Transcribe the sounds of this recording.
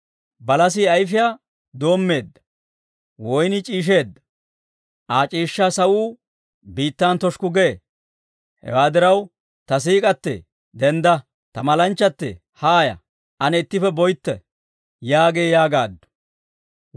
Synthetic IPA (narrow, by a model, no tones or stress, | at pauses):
bɐlɐs̬iɐjfɪjaː | d̪o̞ːmːe̞ːd̪ːɐ̥ | wɔjnɪt͡ʃʼiːʃ̬e̞ːd̪ːɐ̥ | ʔaːt͡ʃʼiːʃːaːsɐwuː | biːt̪ːant̪ɔʃkʊɡɛ | hɛ̰waːd̪ɪɾɐw | t̪ɐs̬iːkʼɐt̪ːɛ̰ | d̪ɛnd̪ɐ | t̪ɐmɐlɐnt͡ʃːɐt̪ːɛ̰ | haːjɐ̰ | ʔɐnɛɪt̪ːɪfɛbɔjt̪ːɛ̰ | jaːɡeːjaːɡaːd̪ːʊ̥